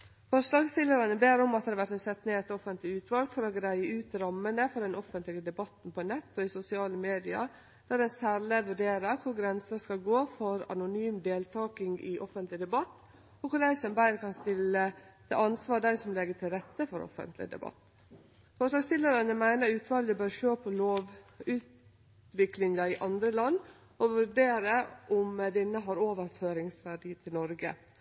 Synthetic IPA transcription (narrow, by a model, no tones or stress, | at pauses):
fɔʂlɑːɡst̪ɪlːəɾɑnəbeːɾɔmɑt̪d̪ɑd̪ʋæʈ̪ɛnsɛt̪ːneːɛt̪ɔfənt̪lɪʉːt̪ʋɑlɡfɔɾɔɡɾæɪəʉːt̪ɾɑmːənəfɔɾɖɛnʔɔfənt̪lɪɡəd̪ɛbɑt̪n̩pʰɔnɛt̪ːɔɪsʊsɪɑːləmeːd̪ɪɑ̰ | d̪̥æd̪ɛnsæɾləʋʉɖeːɾəɾkʰʊɾɡɾɛnsəskɑlɡoːfɔɾɑ̰nʊnyːmd̪eːlt̪ʰɑːkɪŋɡɪ̰ʔɔfənt̪lɪd̪ɛbɑt̪ː | ɔkʰʊɾæɪsɔmbæɪɾkʰɑnst̪ɪlət̪ʰɪ̰ɑnsʋɑːɖ̪æɪsɔmlɛɡəʈʰɪlɾɛt̪ːəfɔɾɔ̰fə̰nt̪lɪ̰d̪ɛ̰bɑ̰t̪ː | fɔʂlɑːɡst̪ɪlːəɾɑnəmæɪnəɾʉːt̪ʋɑːləbøːɾʂøːpʰɔloːʋʉːt̪ | ʋɪklɪŋɑɪʔɑnd̪ɾəlɑnː | ɔʋʉɖeːɾəʔʊmd̪ɪnːəɦɑɾoːʋəɾføːɾɪŋsʋæɖiːt̪ʰɪlnɔɾɡə̰